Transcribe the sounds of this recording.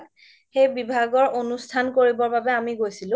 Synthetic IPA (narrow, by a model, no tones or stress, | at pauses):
k | xejbibʱaɡɔɹʔonustʰankoɹibɔɹbabɛamiɡojsilʊ̃